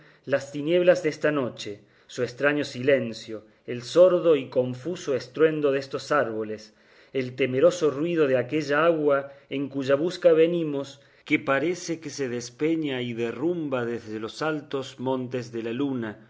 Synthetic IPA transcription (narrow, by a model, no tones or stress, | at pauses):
last̪inje̞β̞lazðest̪ano̞t͡ʃe | suest̪ɾaɲo̞sile̞nsjo̞ | elso̞ɾðo̞iko̞ɱfuso̞est̪ɾwe̞nd̪o̞ðest̪o̞saɾβo̞les | elt̪e̞meɾo̞so̞rwið̞o̞ðeakeʒaaɣwaeŋkuʒaβ̞uskaβenimo̞s | kepaɾesekeseðespe̞ɲaiðerumbaðezðelo̞salt̪o̞zmõ̞nt̪ezðelaluna